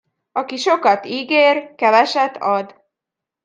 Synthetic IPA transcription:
ɒkiʃo̞kɒt̪iːɡeːrkɛvɛʃɛt̪ʰːɒd̪

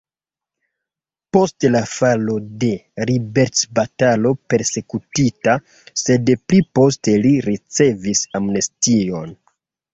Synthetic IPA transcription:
po̞stlafalo̞de̞ɾibe̞ɾtsbatalo̞pe̞ɾse̞kutita | se̞dplipo̞ste̞liɾit͡se̞visamnestio̞n

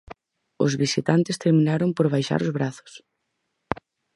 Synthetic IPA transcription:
ʊ̰zβisit̪ant̪ɪst̪eɾminaɾompoɾβajʃa̰ɾʊzβɾaθʊ̥s

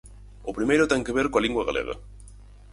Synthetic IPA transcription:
ʊpɾimejɾʊt̪eŋkeβ̞eɾkoaliŋɡwɐɣa̰lʔḛɣɐ̰

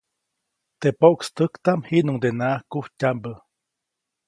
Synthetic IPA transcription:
t̪epoʔkst̪əkt̪amhiʔnuŋd̪enaʔhkuhcambə

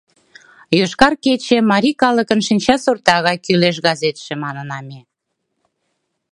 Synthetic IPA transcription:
jøʃkɑrket͡ɕĕmɑɾʲikɑlə̆kə̆nʃinʲt͡ɕɑsort̪ɑɣɑjkyleʃ̬ɣɑzet̪ʃĕmɑnə̆nɑme

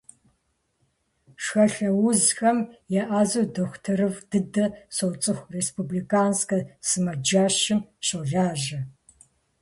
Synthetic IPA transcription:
ʂxɐɬɐwʊzxɐmjaʔaːzɐwdɐxʷtʰɨɾɨvd̥ɨdɐsowt͡sʼɨxʷrespublikʰʼaːnskɐsɨmɐd͡ʒaːɕɪmɕɐɮaːʒɐ

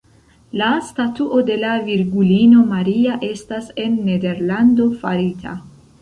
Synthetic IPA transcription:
lastatuʔo̞de̞laviɾɡulino̞maɾiaʔe̞stase̞nːe̞de̞ɾlando̞faɾitʰa̰

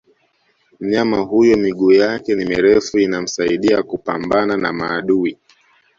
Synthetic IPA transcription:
m̩ɲamaɦujɔmiɠuːjakɛnimɛɾɛfuinam̩saiɗiakupambananamaːɗui

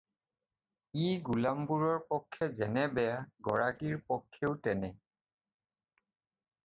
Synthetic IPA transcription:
iɡulambuɹɔɹpɔkʰːɛzɛnɛbɛjaɡɔɹakiɹpɔkʰːeʊtɛnɛ

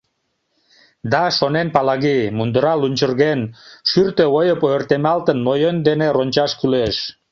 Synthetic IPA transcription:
d̪ɑʃonenpɑlɑɣimund̪əɾɑlunʲt͡ɕərɣenʃyrt̪øojəpoert̪emɑlt̪ənːojənd̪eneronʲt͡ɕɑʃkyleʃ

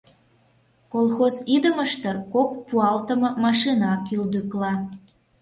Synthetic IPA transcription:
kolˠxozid̪əməʃt̪e̽kok̚puɑlt̪əmɤmɑʃinɑkyld̪yklɑ

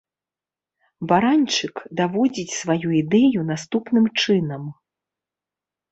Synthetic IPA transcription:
baɾanʲt͡ʂɨkd̪avɔd͡zʲit͡sʲsvajuid̪ɛjunast̪upnɨmt͡ʂɨn̪ɐm

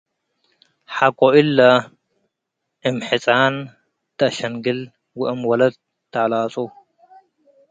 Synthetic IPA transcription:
ħakʼoʔɪlːɐ | ʔɨmħɨt͡sʼan | t̪ʰɐʔʃɐŋɡɨl | wʊʔɨmwɐlɐd̪̚ | t̪ʰːaʕlaːt͡sʼu

